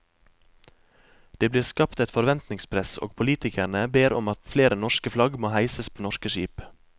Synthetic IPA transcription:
d̪̥eːbliːɾskɑpt̪ɛt̪fɔɾʋɛnt̪nɪŋspʰɾɛso̰ːɡ̚pʰʊliːt̪ɪkæɳəbeːɾɔmɑt̪fleːɾənɔʃkəflɑɡmoːhæɪsəspʰoːnɔʃkəʃiːp

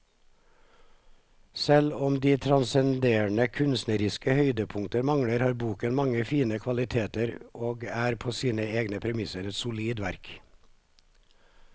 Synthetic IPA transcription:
sɛlɔmd̪iːt̪ʰɾɑnsɛnd̪eːɳəkʰʉnst̪nəɾɪskəhœʏd̪əpʰʊŋt̪əɾmɑŋɽəɾhɑːɾbuːkənmɑŋəfiːnəkʰʋɑlɪt̪ʰeːt̪əɾoːɡæːɾpʰoːsiːnəeːɡnəpʰɾɛmɪsəɾɛt̪sʊliːd̪ʋæɾk

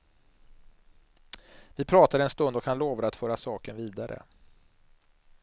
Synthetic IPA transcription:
vɪpʰɾɑːt̪ad̪əɛnst̪ɵnd̪ɔkhanloːvaɾat̪fœːɾasɑːkənviːd̪aɾʔə̰

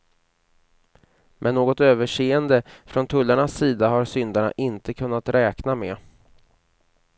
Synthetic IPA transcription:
mʔɛnːoːɡɔt̪øːvəʂeːənd̪əfɾɔnt̪ʰɵlːaɳasːiːd̪aɦaɾsʏnd̪aɳa̰ʔɪnt̪əkʰɵnːat̪ɾɛːknamɛ̰ː

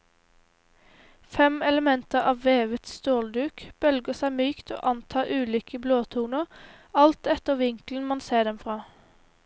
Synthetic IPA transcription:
fɛmɛləmɛnt̪əʁɑːʋʋeːʋət̪st̪oːld̪ʉːkb̥œlɡəsæɪmyːkt̪ʰo̰ːʔɑnt̪ʰɑːʔʉːliːkəbloːt̪ʰuːnəʁ | ɑlt̪ɛt̪əʁʋɪŋkln̩mɑnseːd̪ɛmfʁɑː

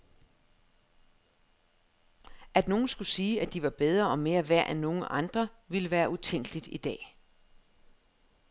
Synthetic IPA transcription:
ʔæd̥no̝ːn̩sɡ̥usiːæd̥iʋɑ̈b̥eð̞ˠʁɐɒ̽me̝ːɐʋæɐ̰ʔenːo̝ːn̩ʔɑ̈nd̥ʁɐʋiləʋæːɐʔut͡sʰeŋ̰ɡ̥əlid̥id̥ɛ̰ː

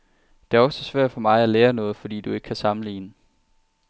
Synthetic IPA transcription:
d̥e̝æɒ̽sɒsʋæɐ̰d̥fɒ̽mɑ̈ɪæleːɐnɔ̽ːð̞̩ˠfɒ̽d̥ḭːd̥ue̝ɡ̥əkʰæsɑ̈m̩lḭːnə

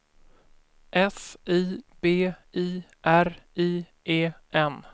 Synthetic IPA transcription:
ʔɛsiːb̥eːiː | ʔæɾiː | ʔeːʔɛn

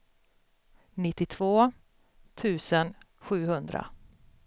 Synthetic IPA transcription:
nɪt̪ːɪt̪ʰv̥oː | t̪ʰʉ̟ːsən | ɧʉ̟ːhɵnd̪ɾa̰

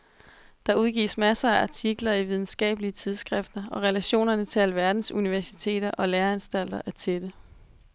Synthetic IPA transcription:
d̥ɑ̈uð̞ˠɡ̥ḭːsmæsɐæʔɑ̈t͡sʰiɡ̥lɐiʋið̞ˠn̩sɡ̥ɛ̰ːb̥əliət͡sʰið̞ˠsɡ̥ʁɛfd̥ɐɒ̽ʁɛlæɕo̝̰ːnɐnət͡sʰe̝ælʋæɐd̥n̩suniʋæɐsi̥t͡sʰe̝̰ːɾ̥ɐʔɒ̽leːɐænsd̥æl̰d̥ɐʔæɐt͡sʰed̥ə

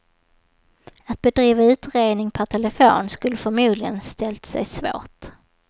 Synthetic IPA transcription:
at̪̚bɛd̪ɾiːvaʉ̟ːt̪ɾeːd̪nɪŋpʰœʈ̪ʰɛlɛfo̰ːnskɵlːəfœɾmuːd̪lɪɡənst̪ɛlt̪sɛ̰jsvo̰ːʈ

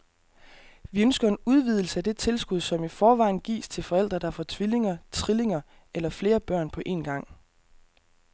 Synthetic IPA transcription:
ʋiønsɡ̥ɐe̝nuð̞ˠʋið̞ˠl̩səæd̥e̝t͡sʰe̝lsɡ̥uð̞ˠsɒ̽mifɒːʋɑ̈ɪ̰n̩ɡ̥ḭːst͡sʰe̝lfɒ̽el̰d̥ʁɐd̥ɑ̈fɒt͡sʰʋile̝ŋɐt͡sʰʁile̝ŋɐ | elɐfle̝ːɐb̥ɶɐ̰npʰɒ̽ʔe̝̰ːnɡ̥ɑ̈ŋ̰

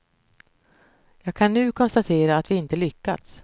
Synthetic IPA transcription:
jɑːɡ̚kʰanːʉ̟ːkʰɔnst̪at̪ʰeːɾaːt̪vɪɪnt̪əlʏkːa̰t̪s

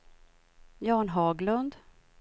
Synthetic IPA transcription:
jɑːɳɦɑːɡlɵnd̪

